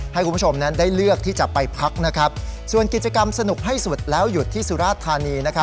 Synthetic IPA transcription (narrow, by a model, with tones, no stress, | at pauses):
ha˥˩jkʰu˧mʰ˦˥˩t͡ɕʰo˧mna˦˥ndaː˥˩jlɯ˥˩ək̚t̪ʰiː˥˩t͡ɕa˨˩pa˧jpʰɾa˦˥k̚na˦˥kʰa˦˥p̚su˨˩ənki˨˩t̪̚t͡ɕa˧ka˧msa˧nu˨˩k̚ɦa˥˩jsu˨˩t̪̚lɛː˦˥wju˨˩t̪ʰːiː˥˩su˧˦ɾaː˥˩t̪ʰːaː˧niː˧na˦˥kʰa˦˥